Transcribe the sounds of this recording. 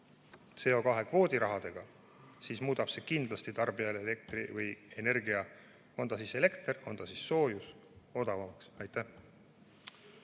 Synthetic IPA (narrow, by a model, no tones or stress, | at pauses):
t̪se̞o̞kɑɦe̞kvo̞ːd̪̥ʲiɾɑɦɑd̪̥e̞ɡ̥ɑ | siːsmuːd̪̥ɑb̥se̞kind̪lɑst̪it̪ɑrb̥iɑleele̞k̚t̪rivɯje̞ne̞rɡiɑ | o̞nt̪ɑsiːse̞le̞kt̪ro̞nd̪ɑsisːo̞ːjus | o̞d̪ɑvɑmɑksɑjt̪ːˑæh